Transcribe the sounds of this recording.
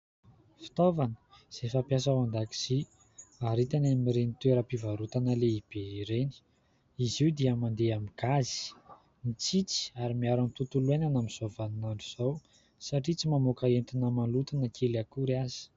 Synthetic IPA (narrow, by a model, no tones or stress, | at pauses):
fi̥t̪ovanə̥ | z̥efapjas̬awand̪aki̥z̥i | aɾit̪anamiɾenit̪weɾəpivaɾut̪anəleib̥eiɾeni̥ | iziud̪iəmand̪eamiɡ̥azi̥ | nit͡sit͡si̥aɾimiaɾamit̪ut̪ulwenanamiz̥ovanunaɳɖ͡ʐuz̥aw | saʈ͡ʂit͡simamokaent̪inəmalut̪anakʰelakuɾazi̥